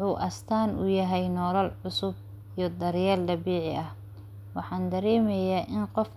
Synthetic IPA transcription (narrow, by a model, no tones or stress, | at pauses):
uːʔɐst̪ʰaːnʊ̰jɐɦɛjnɔːlɐlʕʊsʊb̚ | ijɞd̪ɐɾjaːld̪ɐbiːʕɪʔɐh | wɑħɑːnd̪ɐɾɛːmɛjaːʔɪnqɔf